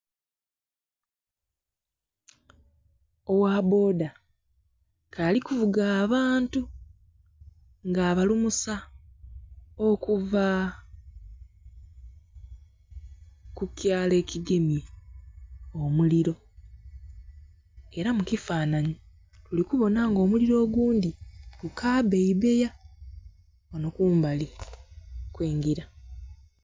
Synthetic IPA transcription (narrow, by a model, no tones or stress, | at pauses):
o̞wabo̞ːda | kʰaːlikuvuɡaːβaːntu | ŋɡaːβalumusa | o̞kuva | kukjaːle̞ːciɡe̞mi | omuliɾo̞ | e̞ɾamukifaːnaɲi | tulikuβo̞naŋɡo̞ːmuliɾo̞ːɡuːndiɡukʰaːβe̞iβe̞ja | onokuːmbali | kweːŋɡiɾa